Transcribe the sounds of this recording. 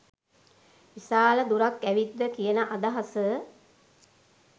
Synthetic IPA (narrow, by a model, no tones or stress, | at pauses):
ʋisaːləd̪uɾakːæʋid̪ːəkijənəʔad̪aɦasə